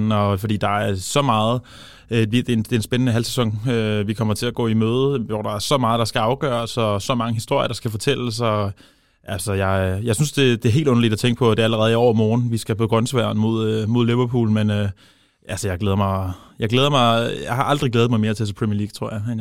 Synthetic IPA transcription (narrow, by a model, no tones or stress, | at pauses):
ɒ̽fɒd̥ḭːd̥ɑ̈æɐsɒ̽mɑ̈ːð̩ˠ | ʋid̥end̥e̝ensb̥enənəɦælsesɒ̽ŋ̰øʋikʰɒ̽m̰ɐt͡sʰe̝læɡ̥ɔ̰ːimøːð̞ˠʋɒd̥ɑ̈æɐsɒ̽mɑ̈ːð̞̩ˠd̥ɑ̈sɡ̥æɑ̈ʊɡ̥œ̰ːɐsɒ̽sɒ̽mɑ̈ŋəɦisd̥o̝ɐ̰jɐɾ̥ɑ̈sɡ̥æfɒ̽t͡sʰel̰sɒ̽ | ʔælsɒjɑ̈ɪjɑ̈ɪsynsd̥e̝d̥e̝ɦe̝̰ːldɔ̽nɐlid̥æt͡sʰeŋɡ̥əpʰɒ̽d̥e̝æləʁɛːð̞ˠiɒʊ̰ɐmɒːn̩ʋisɡ̥æpʰɒɡ̥ʁɶnsʋæːɐnmo̝ð̞̰ˠmo̝ðˠliʋɐpʰṵːl̩menø | ʔælsəjɑ̈ɪɡ̥eːð̞ˠɐmɑ̈ɪjɑ̈ɪɡleːð̞ˠɐmɑ̈ɪjɑ̈ɪhɑ̈ʔɑ̈ld̥ʁiɡ̥leːð̩ˠmɑ̈ɪme̝ɐt͡sʰɛt͡sʰepʰʁɛmiɐlḭːɡ̥̚t͡sʰʁo̝ɐ̰jɑ̈ɪn